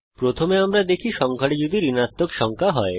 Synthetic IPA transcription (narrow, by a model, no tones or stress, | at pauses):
pɾot̪ʰomeamɾad̪ekʰiʃɔŋkʰaɽed͡ʑod̪iɾinat̪ːokʃɔŋkʰaɦɔe